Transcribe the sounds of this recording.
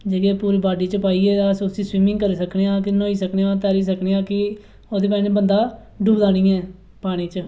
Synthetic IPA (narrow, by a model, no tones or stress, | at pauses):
d͡ʒeɡeːpuːɾiːbaːɖiːt͡ʃəpaːiːɛːsʊsiːswiːmɪ̃ŋɡkəɾiːsəkneːãːkɪnõːiːsəkneːãːt̪ɛːɾiːs̬əkneːãːkɪ | oːd̪eːpɛ̃ːd͡ʒeːbənd̪aː | ɖuːbd̪aːnĩːɛː | paːɽ̃iːt͡ʃ